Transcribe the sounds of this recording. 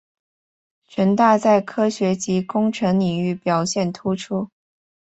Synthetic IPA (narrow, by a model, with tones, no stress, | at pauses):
ʈ͡ʂʰə˧˥nt̪a˥˧t͡sa˥˩ɪkʰɤ˥ɕɥɛ˧˥t͡ɕi˧˥kʊ˥ŋʈ͡ʂʰɤ˧˥ŋli˨˩ŋy˥˩pjɑ˨˩ʊɕjɛ˥˩nt̪ʰu˥ʈ͡ʂʰu˥